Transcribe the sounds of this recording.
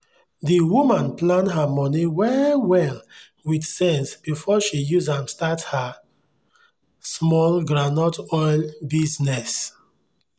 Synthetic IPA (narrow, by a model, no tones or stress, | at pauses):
ðiwumãnplãndɦamɔniwɛwɛl | widsɛ̃nsb̥ifɔʃijuzãmstatha | smɔlɡɹanɔtɔjlbiznɛs